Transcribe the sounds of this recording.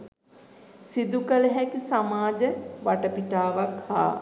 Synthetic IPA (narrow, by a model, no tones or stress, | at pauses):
sid̪ukələɦɛksamaːd͡ʒəʋaʈəpiʈaːʋakha̰ː